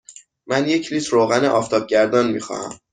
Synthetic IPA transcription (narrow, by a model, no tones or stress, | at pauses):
mænje̞cʰliːt̪ʰɾoːɣæneʔɒft̪ʰɒːb̚ɟæɾd̪ɒːnmixɒ̰næ̰m